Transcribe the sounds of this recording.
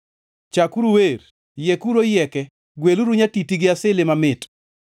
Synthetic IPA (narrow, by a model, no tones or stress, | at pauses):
t͡ʃakuɾuwer | jekuɾojɛkɛ | ɡweluɾuɲatitiɡɪasɪlɪmamɪt